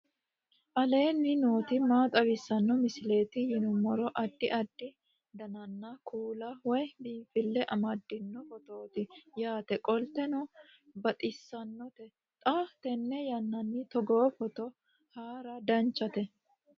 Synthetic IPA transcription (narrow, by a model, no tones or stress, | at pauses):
ʔɐle̞ːnːɪno̞ːt̪ɪmaːt̪ʼɐwɪsːɐnːɔmɪsɪle̞ːt̪ɪjɪnʊmːɔɾɔʔɐd̪ːɪʔɐd̪ːɪ | d̪ɐnɐnːɐkʰuːlɐwɔjbiːfɪlːɛʔɐmɐd̪ːɪnːɔfɔt̪oːt̪ɪjaːt̪ɛkʼɔlt̪ɛnɔ | bɐt̪ʼɪsːɐnːɔt̪ɛ | t̪ʼaːft̪ɛnːɛjɐnːɐnːɪt̪ɔɡoːfɔt̪ɔ | haːɾɐd̪ɐnt͡ʃːɐt̪ɛ